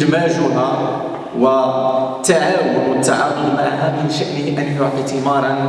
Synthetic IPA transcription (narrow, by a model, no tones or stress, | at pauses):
d̪maʒʊɦa | wət̪ːaʕaːwʊnt̪ːaʕaqːʊmaʕɦamɪnʃaʔnɪhʔænjʊʕt̪ɪmɑːɾˤɑn